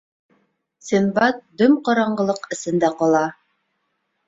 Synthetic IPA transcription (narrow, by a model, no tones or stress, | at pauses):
simbɑt̪̚d̪ɵmqɒɾɑɴɢɤ̆lˠɤqɘ̆sɘ̆nd̪æqɒlˠɑ